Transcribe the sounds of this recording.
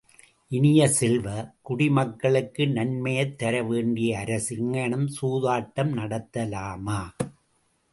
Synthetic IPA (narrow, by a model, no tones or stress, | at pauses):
ʔɪnɪjɐsɪlʋɐkʊɽɪmɐkːɐɭɯkːɯnɐnmɐjɐt̪ːɐɾɐʋeːɳɖɪjɐːɾɐsɪŋɐɳɐmsuːðaːʈːɐmnɐɽɐt̪ːɐlaːmaː